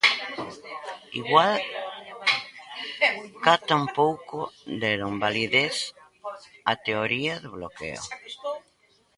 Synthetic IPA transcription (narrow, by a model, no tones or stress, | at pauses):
ḭɣwal | kat̪ampowkod̪elombaliðeθ | at̪eoɾiaðeβlokḛo̰